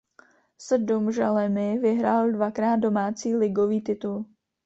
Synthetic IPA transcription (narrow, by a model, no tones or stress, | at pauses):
sɛdomʒalɛmɪvɪɦɾaːldvakɾaːt̪̚do̞maːt͡siːlɪɡoviːt̪ɪt̪ul